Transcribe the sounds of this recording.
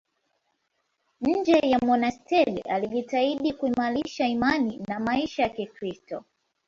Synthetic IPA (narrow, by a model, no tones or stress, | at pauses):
ɲ̩d͡ʒɛjamɔnastɛɗaliʄitaiɗikuimaliʃaimaninamaiʃajakikɾistɔ